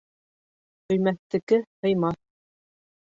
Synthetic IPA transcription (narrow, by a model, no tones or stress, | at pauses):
ɵ̆jmæt̪ːɘ̆kɘhɤ̆jmɑθ